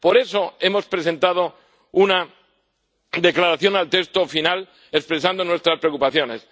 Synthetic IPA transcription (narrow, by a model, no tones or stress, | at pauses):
po̞ɾe̞so̞e̞mo̞spɾe̞se̞nt̪að̞o̞ | una | d̪e̞klaɾaθjo̞nalt̪e̞kst̪ofinal | ekspɾesand̪o̞nwe̞st̪ɾaspɾeokupaθjo̞ne̞s